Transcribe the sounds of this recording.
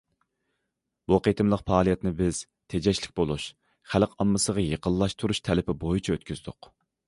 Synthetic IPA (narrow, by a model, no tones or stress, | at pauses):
buqʰet̪ʰɨmlˠəqpʰɑːlˠijɛt̪nɪbɪz̥ | t̪ʰed͡ʒɛʃlɪk̚ʲbolˠuʃ | χælqɑmːɨsəʁɑjəqəllːˠɑʃt̪ʰuɾuʃt̪ʰɛlɪpʰɪbojit͡ʃʰɛøt̪kʲʰyz̥d̪ʊq